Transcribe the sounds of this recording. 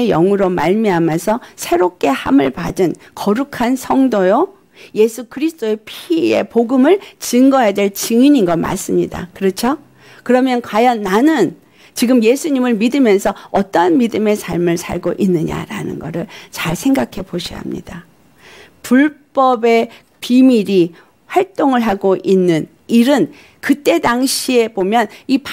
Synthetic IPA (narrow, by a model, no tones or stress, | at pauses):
ejʌŋuɾomaɭmiamjʌnsʰʌsʰe̞ɾop̚k͈e̞hamɯɭpadɯnkʌɾukʰansʰʌŋdojo | je̞sʰukɯɾisʰt͈oe̞pʰiie̞̰poɡɯmɯɭt͡ɕɯŋɡʌjadwe̞ɭt͡ɕɯŋiɲinɡʌma̰s͈ɯmɲida̰kɯɾʌt͡ɕʰo | kɯɾʌmjʌnkwajʌnːanɯn | t͡ɕiɡɯmje̞sʰuɲimɯɭmidɯmjʌnsʰʌʌt͈ʌnmidɯme̞sʰaɭmɯɭsʰa̰ɭɡoʔinːɯɲa̰ɾa̰nɯ̰nɡʌ̰ɾɯɭt͡ɕaɭsʰe̞ŋɡakʰe̞boɕʰḭɦa̰mɲḭd̥a | puɭp͈ʌbe̞ | pimiɾi | ɸwaɭt͈oŋɯɭɦaɡoʔinːɯn | iɾɯn | kɯt͈e̞daŋɕʰie̞bomjʌnip